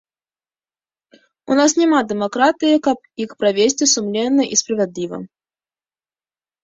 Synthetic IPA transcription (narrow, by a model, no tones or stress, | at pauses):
ʊnasnʲɪmad̪ʲɪmɐkɾat̪ɨjəkap̚ | ixpɾɐvʲesʲtʲɪsʊmlʲenːəʔispɾəvʲɪd̪lʲivə̰